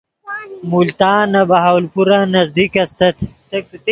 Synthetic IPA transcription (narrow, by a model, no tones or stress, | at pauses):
mult̪aːnɐbɐɦawlpuɾanɐzd̪ikɐst̪ɐt̪ʰt̪ɐk̚ut̪